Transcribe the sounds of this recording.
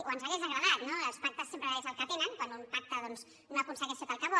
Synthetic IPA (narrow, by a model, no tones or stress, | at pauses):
uənzaɣezðəɣɾəðat̪noəspak̚t̪əsempɾəezəlˠkət̪enəŋkwanumpak̚t̪əðɔnz | noɐkunsəɣeʃet̪alˠkəβɔ